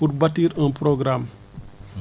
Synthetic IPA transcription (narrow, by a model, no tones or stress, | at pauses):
uɾbɐtiːɾə̃npɾoɡɾam